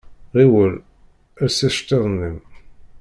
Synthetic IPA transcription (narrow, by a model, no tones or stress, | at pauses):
ʁiwəl | æsæʃt̪eðˤnːən